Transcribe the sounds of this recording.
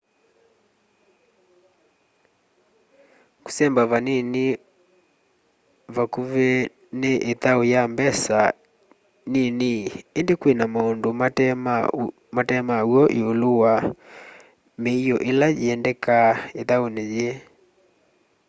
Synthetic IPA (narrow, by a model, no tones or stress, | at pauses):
ku̥sɛmbaβanini | βakuβe | neʔetaojambɛsa | niniendekwenamaondoma | matɛmawɔʔiolowa | meiɔʔelajeɛndɛkaetaoneje